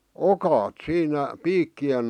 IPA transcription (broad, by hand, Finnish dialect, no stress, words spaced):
okɑːt siːnæ piːkːien